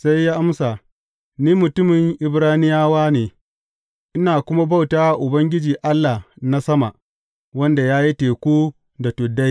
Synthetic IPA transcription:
sa˦jːaː˦ʔa˦msa˨ | niː˦mʊ˨tʊ˦mɪ˨ŋʔɪ˨bɾaː˦nɪ˦jaː˦waː˦neː˨ | ʔɪ˦naː˨kʷʊ˦ma˦ba˦wtaː˦wa˨ʔʊ˨bɐ˦ŋɡʲɪ˦d͡ʒiː˨ʔa˦lːa˨na˦sɐ˦ma˨ʔ | wɐ˦nda˨jaː˦ji˦teː˨kʷuː˦ | da˨tʊ˨dːa˦j

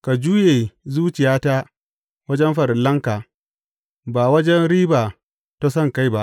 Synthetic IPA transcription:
ka˨d͡ʒuː˦jeː˨zuː˦t͡ʃɪ˨jaː˦ta˦ | wɐ˦d͡ʒɛ˦mɸɐ˨ɾɪ˨lːɐ˦ŋkaː˨ | baː˨wɐ˦d͡ʒɛ˦nɽiː˦baː˨ | ta˦sɐ˦˨ŋka˦jba˦ʔ

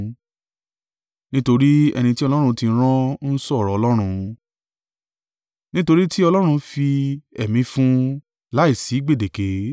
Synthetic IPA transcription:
nĩ˦to˧ɾi˦ɛ̰˧nĩ˧ti˦ɔ˧lɔ˦ɾũ˧tĩ˧n˦ɾ̃ɔ̃˦n̩˦sɔ˦˨ɾɔ˨ɔ˧lɔ˦ɾ̃ũ˧ | nĩ˦to˧ɾi˦ti˦ɔ˧lɔ˦ɾ̃ũ˧fi˧ɛ˨mĩ˨˧˦fũ˦ | la˦i˦˨si˨˦ɡ͡be˦˨de˨ke˨˦

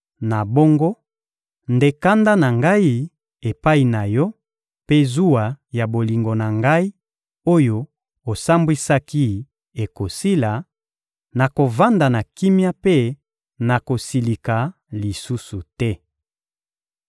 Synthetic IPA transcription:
na˨bo˦ŋɡo˦ | nde˦ka˦nda˦na˨ŋɡa˦i˦ | e˨pa˦i˨na˨jɔ˦ | pe˦zu˦a˨ja˨bo˨li˨ŋɡo˨na˨ŋɡa˦i˦ | o˦jo˦ | o˨sa˦mbwi˦sa˦ki˦ | e˨ko˨si˦la˨ | na˨ko˨va˦nda˨na˨ki˦mja˦pe˦ | na˨ko˨si˨li˨ka˨ | li˨su˦su˨tɛ˦

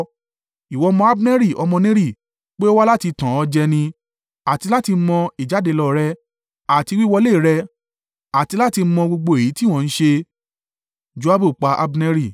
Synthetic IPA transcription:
i˨wɔ˨˧˦mɔ̃˧˦a˦bnɛ˦ɾi˦˨ɔ˧mɔ̃˧nĩ˦ɾi˦˨ | k͡pe˦o˦wa˦la˦ti˧tã˨ɔ˧d͡ʒɛ˧nĩ˧ | a˨ti˧la˦ti˧˦mɔ̃˧i˨d͡ʒa˨˦de˧lɔ˦˨ɾɛ˦ | a˨ti˧wi˦wɔ˧le˦˨ɾɛ˧ | a˨ti˧la˦ti˧˦mɔ̃˧ɡ͡bo˧ɡ͡bo˧e˨ji˨˦ti˦˨w̃ɔ̃˨˧ñ̩˦ʃe˧ | d͡ʒu˨˦a˦bu˦˨k͡pa˨˦ʔa̰˧bnɛ˦ɾi˦˨

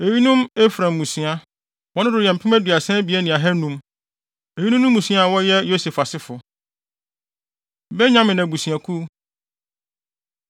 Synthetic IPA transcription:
e˨ɥi˦nũ˦me˦fɾã˨mː˨ũ˨sĩ˨a˦ | wɔ̃˦nʊ̃˦dʊ˨jɛ˨m̩˨pʰɪ̃˦mæ˦dɥa˨sɛ̃˦bi˨ɛ˦nĩ˨ã˨ɦɛ˦nũ˦m | e˨ɥi˦nũ˦nʊ̃ː˦ũ˨sĩ˦a˦˨wɔ˦jɛ˦jo˦se˨fa˨sɪ˦fʊ˨ | bɛ˦ɲã˦mɪ̃˨nã˨bu˨sĩ˨a˨kʰu˦

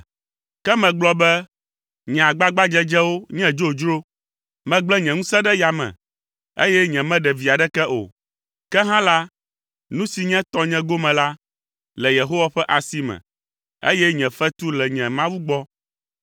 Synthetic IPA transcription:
kɛ˦mɛ̃˨ɡ͡blɔ˦bɛ˦ | ɲɛ̃˨a˨ɡ͡ba˦ɡ͡ba˦d͡ʒɛ˦d͡ʒɛ˦wo˦ɲɛ̃˦d͡ʒo˦d͡ʒɾo˦ | mɛ̃˨ɡ͡blɛ˦ɲɛ̃˨ŋũ˦sɛ̃˦ɖɛ˦ja˨mɛ̰̃˨ | ḛ˦jɛ˦ɲɛ̃˨mɛ̃˦ɖɛ˨vi˨a˨ɖɛ˦kɛ˦ʔo̰˨ | kɛ˦ɦã˦la˦ | nũ˦si˨ɲɛ̃˦t̪ɔ̃˦ɲɛ̃˦ɡo˦mɛ̃˨la˦ | lɛ˨je˨ɦo˦wa˨˦ɸɛ˦ʔa˨si˦mɛ̰̃˨ | ḛ˦jɛ˦ɲɛ̃˨fɛ˦t̪u˦lɛ˨ɲɛ̃˨mã˦wu˦ɡ͡bɔ˦

